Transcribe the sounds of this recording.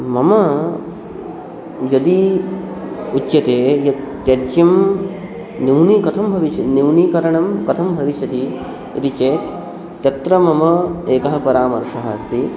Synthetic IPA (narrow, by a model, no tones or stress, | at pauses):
mɐmɐ | jɐd̪i | utːjɐt̪eːjɐ | jɐtːjɐm | niwɳikɐt̪ʰɐmbʱɐʋiʃɐniwniːkɐɾɐɳɐmkɐt̪ʰɐmbʱɐʋiʃɐt̪i | ḭt̪it͡ʃeːt̪ː | jɐt̪ɾɐmɐmɐeːkɐɦɐpɐɾaːmɐɾʂɐɦɐ̰st̪i